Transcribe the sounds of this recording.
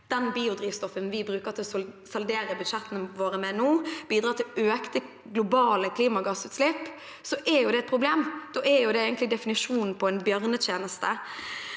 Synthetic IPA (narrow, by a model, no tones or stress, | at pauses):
d̪̥ɛnbiːʊd̪ɾiːʋst̪ɔfənʋɪbɾʉːkət̪ʰɪlɔsɑld̪eːɾəbʉd̪ʂɛt̪ːənəʋoːɾəmɛnuːb̥iːd̪ɾɑːt̪ʰɪløːkt̪ə | ɡlʊbɑːləkʰliːmɑɡɑsʉːt̪slɪpː | sɔʔɛɾjʊd̪ɛɛt̪̚pʰʁʊbleːmd̪̥oːʔɛɾjʊd̪ɛeːɡənt̪lɪɡd̪ɛfɪnɪʂuːnn̩pʰɔɛnbjœʁnət̪ʰjeːnəst̪ə